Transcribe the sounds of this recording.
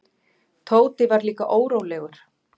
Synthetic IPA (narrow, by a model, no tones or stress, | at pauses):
t̪ʰoːwt̪ɪvaɾliːka̰ʔoːwɾoːwlɛːɣʏɾ̥